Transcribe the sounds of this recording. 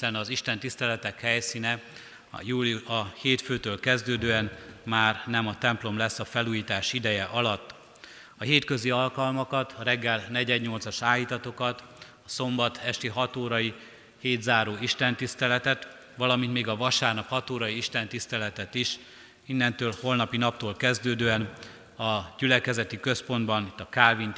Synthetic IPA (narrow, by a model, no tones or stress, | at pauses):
sɛnɒziʃt̪ɛnt̪ist̪ɛlɛt̪ɛkhɛjsiːnɛ̰ | juːliuɒheːt̪føːt̪øːlkɛzd̪øːd̪øːɛnmaːrnɛmɒt̪ɛmplo̞mlɛsːɒfɛluːjiːt̪aːʃid̪ɛjɛʔɒlɒt̪ː | ɒɦeːt̪kø̞ziɒlkɒlmɒkɒt̪ʰɒɾɛɡːɛlnɛɟɛd̪ɲo̞lt̪sɒʃaːjit̪ɒt̪o̞kɒt̪ | ɒso̞mbɒt̪ʰɛʃt̪iɦɒt̪oːɾɒji | heːd̪zaːɾoːiʃt̪ɛnt̪ist̪ɛlɛt̪ɛt̪ | ʋɒlɒmint̪meːɡɒvɒʃaːrnɒphɒt̪oːɾɒjiiʃt̪ɛnt̪ist̪ɛlɛt̪ɛt̪iʃ | inːɛnt̪øːlho̞lnɒpinɒp̚t̪oːlkɛzd̪øːd̪øːɛn | ɒɟylɛkɛzɛt̪ikø̞spo̞nd̪bɒnit̪ːɒkaːvin